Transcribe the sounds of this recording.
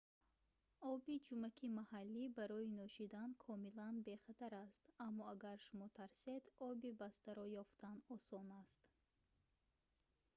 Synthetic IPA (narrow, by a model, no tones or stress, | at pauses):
ɔbid͡ʒumakʰimahalːibaɾɔinɔʃid̪ankʰɔmilanbe̞χat̪ʰaɾast̪amːɔaɡaɾʃumɔt̪ʰaɾsed̪ɔbibast̪aɾɔjɔft̪ʰanɔsɔnast̪